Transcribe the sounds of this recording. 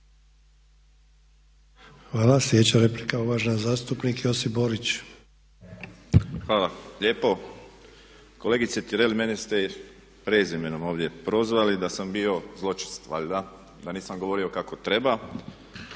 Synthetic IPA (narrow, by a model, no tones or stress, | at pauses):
xʋaːlaslʲjet͡ɕaɾeplikauʋaʒnazaːst̪upnikjo̞siboɾit͡ɕ | xʋaːlaʎeːpo̞ | ko̞leɡit̪set̪iɾelimenest̪e | pɾezimenomo̞ːʋd̪je̞pɾo̞zʋalid̪asambio̞zlˠo̞t͡ʃi̥nst̪ʋa̰ʎd̪a | d̪aniːsamɡo̞ʋo̞ɾiokako̞t̪ɾe̞ba